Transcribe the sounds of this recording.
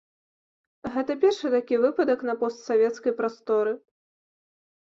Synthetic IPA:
ɣɛt̪ɐpʲɛrʂɨt̪akʲivɨpɐd̪ɐknɐpɔst̪savʲɛt̪skɐjpɾast̪ɔɾɨ

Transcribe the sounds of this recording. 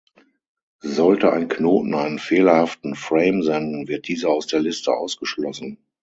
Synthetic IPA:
zɔltəʔaɪnknoːtn̩aɪnənfeːlɐhaftn̩fʁeɪmzɛndn̩vɪɐt̚d̥iːzɐaʊsd̥eːɐlɪstə̰ʔa̰ʊsɡ̥əʃlɔsn̩

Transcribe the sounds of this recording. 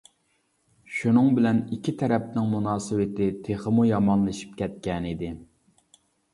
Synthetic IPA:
ʃunɨŋbɪlɛnikʲʰːit̪ʰɛɾɛp̚nɪŋmunɑːsɨwɪt̪ɪt̪ʰeχəmujɑmɑnlˠɨʃi̥p̚kʲʰɛt̪̚kʲɛnid̪ɪ

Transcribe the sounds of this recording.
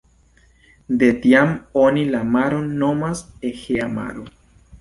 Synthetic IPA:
d̪et̪jamonilamaɾonnomasexeama̰ɾo

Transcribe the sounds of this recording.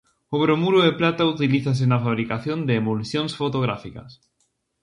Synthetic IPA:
oβɾomuɾʊeplat̪aut̪iliθas̬ɪnɐfaβ̞ɾikaθjond̪eːmulsjonsfot̪oɣɾafikɐ̰s

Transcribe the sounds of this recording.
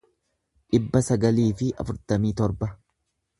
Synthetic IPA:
ᶑɪbːɐsɐɡɐliːfɪɐ̰fʊɾt̪ɐmiːt̪ɔɾbɐ

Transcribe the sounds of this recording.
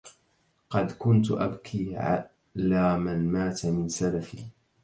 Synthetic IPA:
qɑd̪kʊnt̪ʔabkʰiːʕa̰ | laːmanmaːt̪mɪnsalafiː

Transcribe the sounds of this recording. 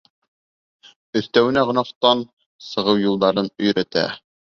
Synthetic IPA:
ɵ̆θt̪æwɘ̆næʁŏnɑqt̪ɑn | sɤ̆ʁɤwjulˠd̪ɑɾɤnɵ̆jɾæt̪æ̰

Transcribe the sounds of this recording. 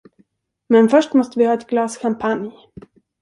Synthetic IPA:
mɛnfœʂʈmɔst̪əvɪhɑːɛt̪̚ɡlɑːsɕampʰanj

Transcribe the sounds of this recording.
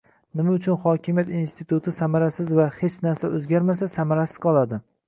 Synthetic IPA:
nɪmaʊt͡ʃʰʊnχɒkʲɪmijat̪inst̪ʰɪt̪ʰʊt̪ʰɪsamaɾasɪzvahet͡ʃʰnaɾsaʔɵzɡʲaɾmas̬asamaɾasɪ̥z̥qʰɒlˠad̪ɪ

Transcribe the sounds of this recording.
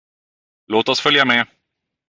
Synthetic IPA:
loːt̪ɔsfœljamɛ

